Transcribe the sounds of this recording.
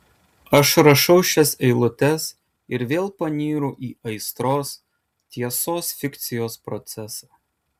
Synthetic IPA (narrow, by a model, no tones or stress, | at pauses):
ɐʃɾɐʃɐʊʃʲɛsɛɪlˠʊt̪ʲɛs | ɪɾʋʲeːlˠpɐnʲiːɾʊʔiːɐɪst̪ɾoːs | t̪ʲiɛsoːsfʲɪkt̪sʲɪjoːspɾɔt̪sʲɛsɑː